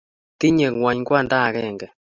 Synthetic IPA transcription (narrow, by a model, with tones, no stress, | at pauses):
ti˦ɲɛ˨ŋwa˨ɲŋɡwa˦˨nda˦˨ɣɛ˦˨ŋɡɛ˨